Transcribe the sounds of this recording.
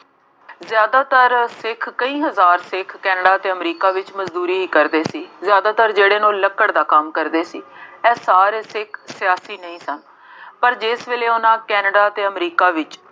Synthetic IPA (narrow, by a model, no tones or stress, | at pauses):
zjaːd̪aːt̪əɾsɪkʰkəĩːɦəzaːɾsɪkʰkɛːnəɖaːət̪eːəmɾiːkaːʋɪt͡ʃməzd̪uːɾiːiːkəɾd̪eːsiːzjaːd̪aːt̪əɾd͡ʒeːɽeːnõːləkːəɽd̪aːkəmkəɾd̪eːsiːɛːsaːɾeːsɪkʰsɪjaːsiːnəĩːsən | pəɾd͡ʒɪsʋeːleːʊnãːkɛːnɖaːət̪eːəmɾiːkaːʋɪt͡ʃ